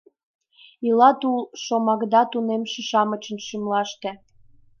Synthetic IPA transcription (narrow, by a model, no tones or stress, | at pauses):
ilɑt̪ulʃomɑkd̪ɑt̪unemʃĕʃɑmət͡ɕənʃymlɑʃt̪ĕ